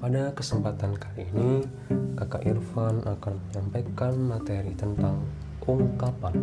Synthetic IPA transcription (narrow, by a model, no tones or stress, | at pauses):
padakəsəmpat̪ankaliːni | kakaʔirfanakanməɲampajkanmat̪eɾit̪ənt̪aŋ | ʔuŋkapan